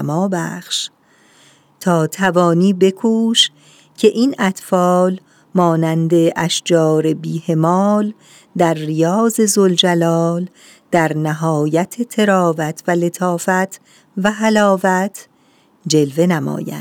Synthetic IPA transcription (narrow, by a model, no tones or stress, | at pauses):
mɒːbæ̰xʃ | t̪ʰɒːt̪ʰævɒːniːbe̞kʰuːʃ | cʰe̞ʔiːnæt̪fɒːl | mɒːnænd̪e̞ʔæʃd͡ʒɒːɾe̞biːhe̞mɒːl | d̪æɾːijɒːze̞zold͡ʒælɒːl | d̪̥æɾnæɦɒːjæt̪ʰet̪ʰe̞ɾɒːvæt̪ʰvæle̞t̪ʰɒːfæt̪ʰ | væɦælɒːvæt̪ʰ | d͡ʒe̞lve̞næmɒ̰ːjæ̰nd̪̥